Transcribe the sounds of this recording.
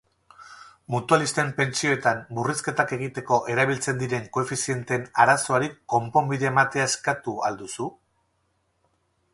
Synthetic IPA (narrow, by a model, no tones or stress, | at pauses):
mut̪ualist̪e̞mpe̞nt͡sio̞et̪amburiske̞t̪ake̞ɣ̞it̪e̞ko̞ʔe̞ɾaβ̞ilt͡se̞nd̪iɾe̞ŋko̞efisie̞nt̪e̞naɾaso̞aɾikːo̞mpo̞mbiðeːmat̪eaeskat̪uald̪usu